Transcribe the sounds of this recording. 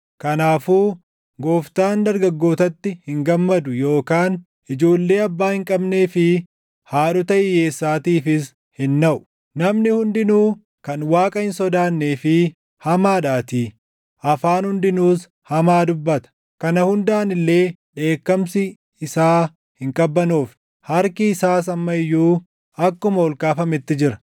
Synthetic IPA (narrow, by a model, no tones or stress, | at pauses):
kɐnaːfuː | ɡo̞ːft̪aːnd̪ɐɾɡɐɡːo̞ːt̪ɐt̪ːɪhɪŋɡɐmːɐd̪ʊjo̞ːkaːn | ʔɪd͡ʒo̞ːlːe̞ːɐbːaːhɪŋkʼɐbne̞ːfɪ | haːᶑʊt̪ɐʔɪje̞ːsːaːt̪iːfɪs | hɪnːɐʔʊ̥ | nɐmnɪhʊnd̪ɪnuː | kɐnwaːkʼɐhɪnsɔd̪aːnːe̞ːfɪ | hɐmaːᶑaːt̪i | ʔɐfaːnhʊnd̪ɪnuːs | hɐmaːd̪ʊbːɐt̪ɐ̥ | kɐnɐhʊnd̪aːnɪlːe̞ː | ᶑe̞ːkːɐmsɪ | ɪsaː | hɪŋkʼɐbːɐnuːf | hɐɾkɪːsaːs̬ɐmːɐɪjːuː | ɐkːʊmɐɔlkaːfɐmɪt̪ːɪd͡ʒɪɾɐ̥